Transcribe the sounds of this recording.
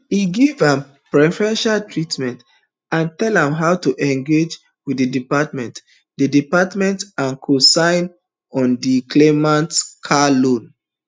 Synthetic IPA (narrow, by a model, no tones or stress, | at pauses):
iɡivãm | pɹɛfɹɛ̃nʃaltɹitmɛ̃nt | ãntɛlãmɦaʊtuʔɛ̃ŋɡed͡ʒ | widədipatmɛ̃nt | dədipatmɛ̃ntãnkʰosãɪ̃n | ɔ̃ndikʰlemãntkʰalõn